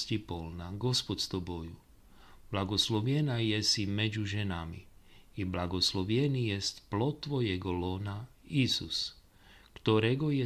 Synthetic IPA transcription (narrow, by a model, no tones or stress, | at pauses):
scipolnaɡo̞spot̪st̪oboju | b̥lˠaɡosloʋjenajesimed͡ʒuʒɛnamḭ | iblaɡoslˠoʋjenijest̪plot̪ːʋojeɡolona | isus | kt̪oɾeɡoje